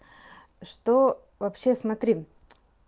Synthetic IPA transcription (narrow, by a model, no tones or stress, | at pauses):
ʂt̪o | vɐpɕːe̞smɐt̪ɾʲi